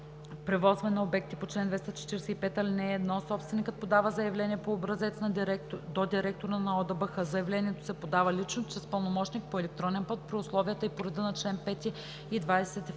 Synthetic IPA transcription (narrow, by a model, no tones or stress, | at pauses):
pɾɛvɔzvɛnɐobɛk̚t̪ipot͡ʃlɛnd̪vɛst̪ət͡ʃɛ̥t̪iɾɛsɛipɛt̪ɐlinɛːd̪nɔsɔpst̪vɛnikət̪̚pod̪avəzɐjɐvlɛniɛpoːbɾɐzɛt̪snd̪od̪iɾɛk̚t̪oɾənɐɔd̪ɐbəxəzɐjɐvlɛniɛt̪o̥sɛpod̪avəlit͡ʃnot͡ʃɾɛspəlˠnomɔt͡ʃnik̚poɛlɛk̚t̪ɾɔnɛnpɤt̪̚pɾiʊslˠɔviət̪əipoɾɛd̪ənɐt͡ʃlɛnpɛt̪ʲi | id̪vajsɛt̪